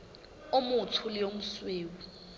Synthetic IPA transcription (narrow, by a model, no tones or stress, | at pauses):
omut͡sʰulijom̩sweːwu